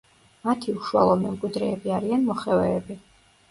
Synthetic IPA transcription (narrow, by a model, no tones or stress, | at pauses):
mat̪ʰiuʃua̰lˠɔmɛmkʼwid̪ɾɛːbiaɾianmɔχɛvɛːbi